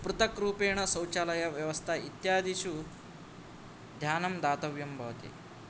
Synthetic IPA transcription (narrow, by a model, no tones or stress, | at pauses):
pɾut̪ɐkɾuːpeːɳ̃ɐsɐ̃wt͡ɕaːlɐjaʋjɐʋɐst̪ʰait̪jaːd̪ʱiɕu | d̪ʱjaːnɐmd̪aːt̪ɐʋjɐmbʱɐʋt̪ḛː